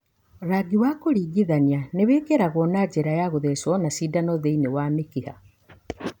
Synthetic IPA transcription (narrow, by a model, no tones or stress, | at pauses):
ɾaɡiwakoɾiːɡiðanianeβeːkeɾaɣwɔnad͡ʒeɾajaɣoðeswɔnasiːdanɔðeinewamekiha̰